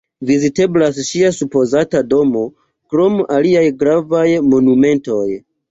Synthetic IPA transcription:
vizite̞blasʃiasupo̞zatado̞mo̞ | kɾo̞maliajɡɾavajmo̞nume̞nto̞j

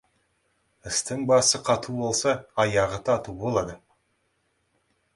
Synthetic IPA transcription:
ɪst̪ɪŋbɑsəqʰɑt̪ʰubo̞lˠsɑːjɑʁət̪ʰɑt̪ubo̞lˠɑd̪ə

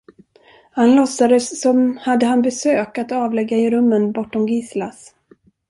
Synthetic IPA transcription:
hanlɔsːad̪əsːɔmhad̪ːəɦanbɛsøːkat̪ɑːvlɛɡːaɪɾɵmːənbɔʈːɔmɡɪslas

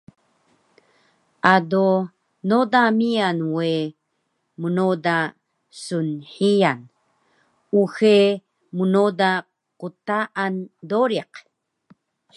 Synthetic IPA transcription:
ʔado | nodamianwe | munoda | sunħijan | uxe | munoda | qutaʔandoɾiq

